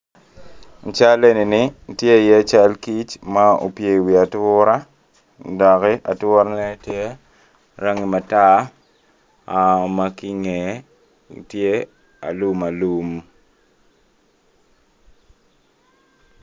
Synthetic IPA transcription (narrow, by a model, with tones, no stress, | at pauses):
n˨t͡ʃa˦le˦ni˨nɪ˦tje˦˨jɛ˦t͡ʃa˦lki˦t͡ʃma˦o̰˨pje˨wi˨a˨tʊ˦ɾa˦ | dɔ˨kɛ˦ʔa˨tʊ˦ɾa˦nɛ˦tje˦ | ɾa˦ŋi˨ma˨ta˦˨ | ma˦ki˦ŋɛ˨ | tje˦ | a̰˨lu˦ma˨lu˦m